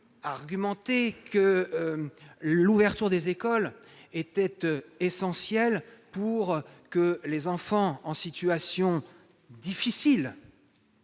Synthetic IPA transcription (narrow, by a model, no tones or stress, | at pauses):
aʁɡʲymɑ̃t̪ekʰə | luvɛʁt̪yʁd̪ezekɔlet̪ɛt̪esɑ̃sjɛlpuʁkəlezɑ̃fɑ̃ɑ̃sit̪yasjɔ̃ | d̪ifisil